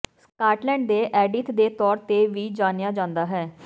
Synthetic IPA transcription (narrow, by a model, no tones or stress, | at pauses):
skaːʈlɛ̃ːɳɖd̪eːʔɛːɖɪt̪d̪eːt̪ɔːɾt̪eːʋiːd͡ʒaːnɪjaːd͡ʒãːnd̪aːɦɛː